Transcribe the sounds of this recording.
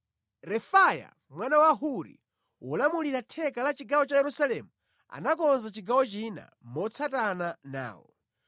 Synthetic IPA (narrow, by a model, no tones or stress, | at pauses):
ɾɛfaja̰ | mwanawaɦuɾḭ | wɔlamuliɾatʰɛkalat͡ʃiɡawɔt͡ʃajɛɾusalɛmu | a̰nakɔnzat͡ʃiɡawɔt͡ʃina̰mɔt͡sʰatanana̰ːwɔ